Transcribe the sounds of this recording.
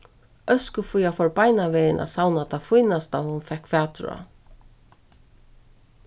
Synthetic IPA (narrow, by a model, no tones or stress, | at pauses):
ʔœskəfujafɔɹpajnaʋɛːjɪnʔa̰sawnat̪ʰafujnast̪ahʊnfɛkfæːt̪ɾa̰